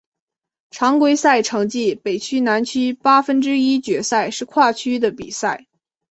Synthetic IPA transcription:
ʈ͡ʂʰɑ˧˥ŋkwe˥ɪsa˥˩ɪʈ͡ʂʰɤ˧˥ŋt͡ɕi˥˩pe˨˩ɪt͡ɕʰy˥na˧˥nt͡ɕʰy˥pa˥fə˥nʈ͡ʂɻ̩˥i˥t͡ɕɥɛ˧˥sa˥˧ɪʂɻ̩˥˧kʰwa˥˩t͡ɕʰy˥d̪ə˨pḭ˨˩sa˥˩ɪ

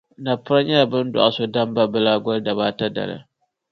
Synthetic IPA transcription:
na˨pʊ˦ɾa˦ɲa˦˨bɨ˦n˦dɔ̰˨ʔa˨so˦da˦mba˦bɨ˦la˦ɡɔ˦lda˨ba˦ta˦da̰˨la̰˨

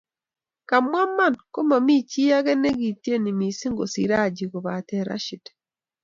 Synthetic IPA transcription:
ka˨mwa˦mːa˦˨nko˦ma˨mi˦ci˦a˦ɣe˦ne˦ɣi˨ti˦e˦ni˨mi˨si˦ŋɡo˨si˨ɾa˦ɟi˨ɣo˨βa˨te˨ɾa̰˦ʃi˨te̥

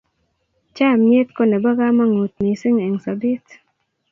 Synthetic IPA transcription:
t͡ʃa˦˨mje˦t̪ko˦nɛ˨ba˦ɡa˦ma˦ŋo˨t̪̚mi˨sɪ˦ŋɛ˨ŋsa˨bi˦t̪

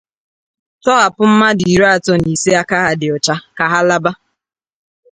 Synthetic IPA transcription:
tɔ˦ɦa˨pʊ˦m̩˦ma˦di˨ɾa˨tɔ˦ni˨si˦a˦ka˦ɦa˨dɪ˨ɔ˨t͡ʃa˦ka˨ɦa˦la˦ba˦

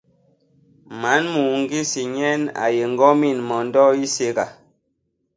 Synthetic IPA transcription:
ma˨˦nmu˨ŋ˦ɡi˦si˨ɲɛ˦na̰˨je˨ŋ̩˦ɡɔ˦mi˦˨nmɔ˨n̩˦dɔ˦i˦se˦ɡa˨

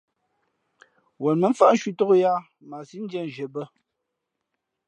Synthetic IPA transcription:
wɛ˨lmə˨˦ɱ̩˦fa˨ʔn̩˦ʃwi˦to˦o˦ja˦ | ma˨si˦n̩˦dɛ˦˨n˨ʒə˨bə˦

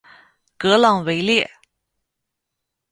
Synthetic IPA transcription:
kɤ˧˥lɑ˥˩ŋwe˧˥ɪljɛ˥˩

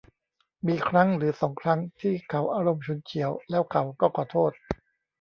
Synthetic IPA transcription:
miː˧kʰɾa˦˥ŋɾɯː˩˦sɔː˩˦ŋkʰɾa˦˥ŋt̪ʰiː˥˩kʰa˩˦wʔaː˧ɾo˧mt͡ɕʰu˧˦nt͡ɕʰi˩˦əwlɛː˦˥wkʰa˩˦wkɔː˥˩kʰɔː˨˩t̪ʰoː˥˩t̪̚

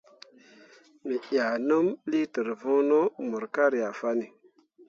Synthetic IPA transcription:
mi˨ʔja˨nə˦mli˦tə˨ɾvũ˦no˦mu˨ɾka˦ɾi˨a˨fa˦ni˨

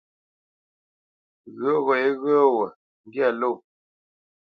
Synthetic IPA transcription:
ɣə˦ɣɔ˨je˦ɣə˦wə˨ | ŋ˦ɡja˦˨lo˦˨

